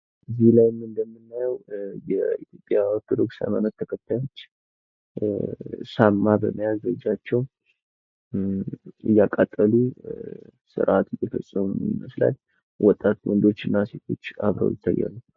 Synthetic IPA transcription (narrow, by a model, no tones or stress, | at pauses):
ɨzihlajmɨnd̪əmːɨnːajɛwjɛit̪jopʼjawk̪ʰːɨd̪ɨksa̰mənət̪ʰːəkʰət̪ʰːajo̞t͡ʃː | samːabəməjazɾəd͡ʒat͡ʃːɛw | ɨjːakʼat̪ʼːəlu | sɨ̰ɾʔat̪ɨjɛfəsʼəmunijməsla̰l | wʔɔt̪ʼːat̪wɔnd̪o̞t͡ʃːɨnːase̞t̪ʰo̞̰t͡ʃːaβɾə̰wjɪt̪ʰːa̰jːa̰lːəw